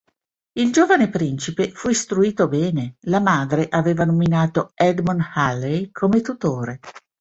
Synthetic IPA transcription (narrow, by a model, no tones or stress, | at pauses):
ild͡ʒoːvanepɾint͡ʃipefuist̪ɾuiːt̪obɛːnelamaːd̪ɾeʔaveːvanominaːt̪oɛd̪monhalːejkʰomet̪ut̪oːɾe